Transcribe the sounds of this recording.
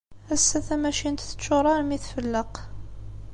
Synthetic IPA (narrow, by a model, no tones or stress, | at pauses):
æsːæθæmæʃint̪θə̥t͡ʃːʊɾˤɑɾmiθfəlːəq